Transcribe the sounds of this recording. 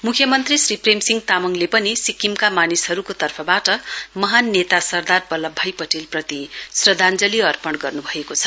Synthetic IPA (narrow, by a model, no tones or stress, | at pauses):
mukʰjʌmʌnt̪risripremsiŋɡt̪amʌŋlepʌnisikimkamanishʌɾukot̪ʌrpʰʌbaʈʌmʌɦanːet̪asʌrd̪arbʌlʌbʱːajpʌʈilprʌt̪isrʌd̪ʱand͡zʌliʌrpʌɽɡʌrnubʱʌekot͡sʰʌ̥